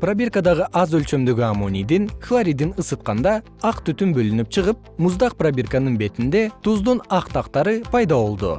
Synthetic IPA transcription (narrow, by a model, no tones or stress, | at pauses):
probʲirkad̪ɑʁəʔɑzølʲt͡ʃø̞md̪yɡʲyamo̞nʲijd̪inχlˠaɾʲijd̪inɯsɯt̪̚qɑnd̪ɑ | ɑqt̪yt̪ymbølynyp̚t͡ʃʰɯʁɯp̚ | muzd̪ɑq̚probʲirkanɯnbe̞t̪ind̪e̞t̪ʰuzd̪unɑqt̪ʰɑqt̪ɑɾɯpʰɑjd̪ɑβo̞lˠd̪ʊ̰